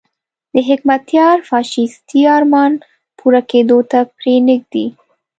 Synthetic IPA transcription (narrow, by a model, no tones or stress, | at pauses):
d̪̥əɦɪkmat̪jɑɾfɑʃist̪iɑɾmɑn | pʰuɾaked̪ot̪apɾenɪɡ̚d̪i